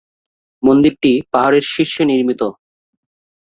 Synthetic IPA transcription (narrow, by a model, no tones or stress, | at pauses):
mond̪iɾʈipaɦaɾeɾʃiʃːoniɾmit̪o